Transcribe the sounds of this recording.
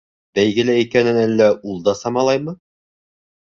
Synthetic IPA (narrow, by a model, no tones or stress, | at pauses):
bæjɡɘ̆læikænɘnælːæʔulˠd̪ɑsɑmɑlˠɑjmɤ